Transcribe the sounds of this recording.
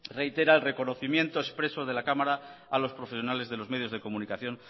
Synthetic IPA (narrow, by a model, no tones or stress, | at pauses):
re̞it̪e̞ɾaelre̞ko̞no̞θimjẽ̞nt̪oespɾe̞so̞ð̞e̞lakamaɾaalo̞spɾo̞fesjo̞nale̞zðelo̞zme̞ð̞jo̞zð̞e̞ko̞munikaθjo̞n